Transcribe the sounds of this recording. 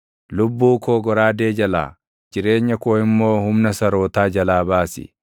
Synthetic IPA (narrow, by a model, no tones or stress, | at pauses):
lʊbːuːkʰoːɡɔɾaːd̪eːd͡ʒɐla̰ː | d͡ʒɪɾe̞ːɲːɐkoːhɪmːo̞ːhʊmnɐsɐɾo̞ːt̪aːd͡ʒɐlaːbaːsɪ̰